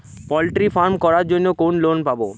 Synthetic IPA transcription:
pɔlʈɾifaɾmkɔɾaɾd͡ʑonːokonlonpabo

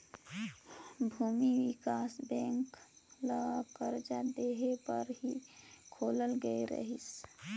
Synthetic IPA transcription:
bʱuːmiwɪkaːsbɛ̃ːŋkləkəɾd͡ʒad̪eːɦepəɾɦikʰoːləlɡəeɾə̰ɦis

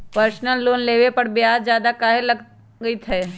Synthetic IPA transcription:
pəɾsnəlːoːnleːʋepɐɽbɪjaːdzjaːd̪akaːɦelɐɡ | ɡəit̪ʰɛː

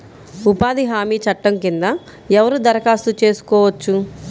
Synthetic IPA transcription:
upaːd̪iɦaːmiːt͡ʃɐʈːɐmkind̪ɐ | ɛʋɐɾud̪ɐɾɐkaːst̪ut͡ʃe̞ːsu̥kɔːʋɐt͡ʃːu

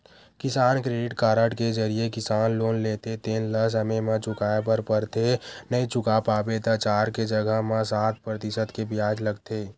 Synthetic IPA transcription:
kɪsaːnkɾeːɖɪʈkaːɾəʈked͡ʒəɾiekɪsaːnloːnleːt̪et̪eːnləs̬əmemãt͡ʃʊkaːepəɾpəɾt̪ʰenəĩt͡ʃʊkapaːbet̪ət͡ʃaːɾked͡ʒəɡəɦmãsaːt̪̚ʰpɾət̪ɪsət̪kebʱijaːd͡ʒləɡt̪eː

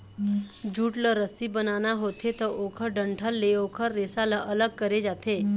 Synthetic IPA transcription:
d͡ʒuːʈləɾəsibənanaɦot̪ʰet̪əʔokʰəɖəɳʈʰəlːeokʰəɾːesalaʔələɡ̚kəɾed͡ʒat̪ʰe

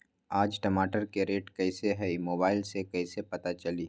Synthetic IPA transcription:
aːd͡ʒʈɐmaːʈəɾkeɾeːʈkɛɪseɦɛimoːbaːɪlsekɛɪsepɐt̪at͡ʃɐliː

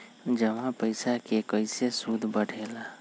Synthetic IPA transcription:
d͡ʒəmãpəɪsakekəɪsesud̪ʱbəɽ̤ʱela

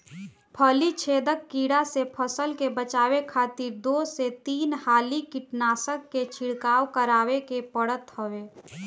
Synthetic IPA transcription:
pʰəlit͡ʃʰeːd̪əkːiːɽasepʰəsəlkebət͡ʃaːwekʰaːt̪iɾd̪oset̪iːnhaːlikɪʈnaːsəkːet͡ʃʰɪɽkaːwkəɾaːwekepəɽət̪ɦəʋeː

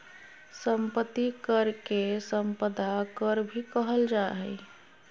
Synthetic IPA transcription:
səmpət̪ːikəɾkesəmpəd̪ʱakəɾbʱikəɦəld͡ʒaɦəj

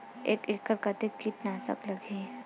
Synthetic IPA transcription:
ḛːkekːəɾkət̪ekiʈnaːsə̰klɐɡʱeː

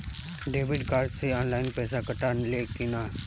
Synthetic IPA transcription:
ɖeːʋɪɖkaːɾɖseɔːnlaːɪnpɛːsakəʈaːnleːkinaː

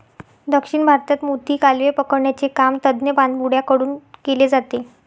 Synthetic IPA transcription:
d̪əkʂiɳbʱaɾt̪at̪mut̪iːkalʋepəkəɽɳjat͡sekamt̪əd̪njəpãnd̪buɽ̤jakəɽuːnkeled͡zat̪e

